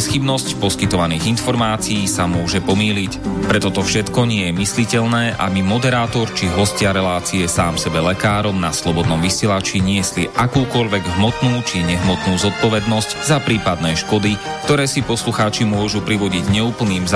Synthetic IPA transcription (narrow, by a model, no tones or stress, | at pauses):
sxibnɔscpɔskit̪ɔʋaniːɣinfɔɾmaːt͡siiːsamʊɔʒɛpɔmiːlicpɾɛt̪ɔt̪ɔfʃɛt̪kɔɲɪɛjɛmislicɛʎnɛːʔa̰bimɔd̪ɛɾaːt̪ɔɾt͡ʃiɦɔscɪaɾɛlaːt͡siɛsaːmsɛbɛlɛkaːɾɔmnaslɔbɔd̪nɔmʋisɪɛlat͡ʃiɲɪɛsliʔakuːkɔʎʋɛɡɦmɔt̪nuːt͡ʃiɲɛɦmɔt̪nuːzɔt̪̚pɔʋɛd̪nɔsczapɾiːpad̪̚nɛːʃkɔd̪i | kt̪ɔɾɛːsipɔsluxaːt͡ʃimʊɔʒupɾiʋɔɟiɟɲɛuːpl̩niːmz